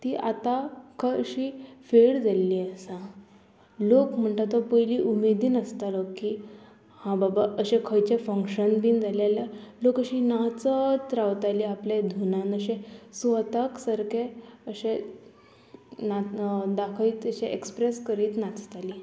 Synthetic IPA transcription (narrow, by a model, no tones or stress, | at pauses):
t̪iːʔat̪akʰəəɕiːfeɭd͡zalːiəsã | lokm̤əɳʈat̪ɔpəɦjliːʔumed̪iːnəst̪aləkːiː | hãbabaʔəɕẽkʰəjt͡ɕefəŋkɕənbiːnd͡zʱalalalokəɕinaɦt͡sət͡s̪ɾaʋt̪aliːapled̪ʱunãnəɕẽsut̪aksəɾkeəɕẽ | nad̪akʰəit̪əɕẽʔekspɾeskəɾiːt̪nat͡st̪aliː